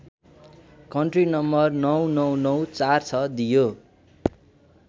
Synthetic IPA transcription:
kʌɳʈrinʌmbʌrnʌwnʌwnʌwt͡sart͡sʰʌd̪ijo

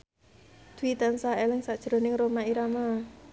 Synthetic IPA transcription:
d̪̥uwit̪ansaelɪŋsad̥ʒ̥ɾo̤nɪŋɾomaiɾama

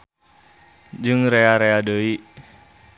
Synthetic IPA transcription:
d͡ʒɨŋɾeaɾeadəiʔ

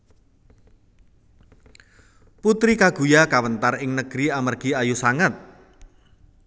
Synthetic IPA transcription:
put̪ɾikaɡ̥ṳjakawənt̪arɪŋnəɡ̥ɾiamərɡ̥i̤ajusaŋət̪̚

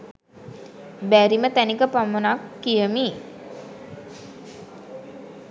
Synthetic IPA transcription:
bæɾimət̪ænikəpamənakːijəmi

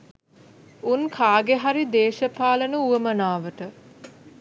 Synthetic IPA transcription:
unkʰaːɡeɦaɾid̪eːʃəpaːlənəuəmənaːʋəʈə

